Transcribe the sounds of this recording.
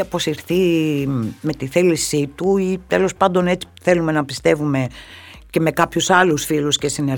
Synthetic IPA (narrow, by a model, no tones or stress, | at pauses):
ɐpo̞siɾθi | me̞t̪iθelisit̪uit̪elo̞spɐnd̪o̞ne̞t͡si̥θe̞lume̞nɐpist̪e̞vume̞ | ce̞me̞kɐpçusɐlusfilusce̞sine